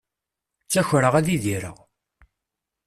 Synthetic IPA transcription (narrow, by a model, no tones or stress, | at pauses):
t͡sːæçɾəʁæðiðiɾə̰ʁ